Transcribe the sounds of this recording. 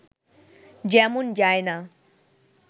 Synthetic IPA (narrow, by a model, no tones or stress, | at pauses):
d͡ʒɛmund͡ʒajna